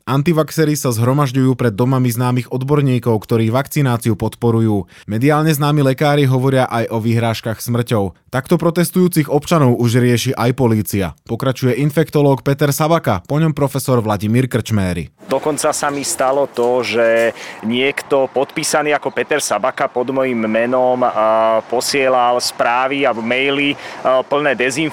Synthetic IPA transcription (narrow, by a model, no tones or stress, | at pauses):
ant̪iʋaksɛːɾisazɦɾɔmaʒɟujuːpɾɛd̪ːɔmamiznaːmiɣɔd̪bɔɾɲiːkɔʊkt̪ɔɾiːʋakt͡sinaːt͡siupɔt̪pɔɾujuːmɛd̪iaːlɲɛznaːmilɛkaːɾiɦɔʋɔɾɪaʔajʔɔʋiɦɾaːʃkaxsmr̩cɔʊt̪akt̪ɔpɾɔt̪ɛst̪ujuːt͡siɣɔpt͡ʃanɔʊuʒɾɪɛʃiʔajpɔliːt͡sia̰pɔkɾat͡ʃujɛʔinfɛkt̪ɔlɔːkpɛt̪ɛɾsabakapɔɲɔmpɾɔfɛsɔɾʋlaɟimiːɾkr̩t͡ʃmɛːɾḭ | d̪ɔkɔnt͡sasamist̪alɔt̪ɔʒɛɲɪɛkt̪ɔpɔt̪piːsaniːakɔpɛt̪ɛɾsabakapɔd̪mɔjimːɛnɔmpɔsɪɛlalspɾaːʋiabɔmɛjlipl̩nɛːd̪ɛzin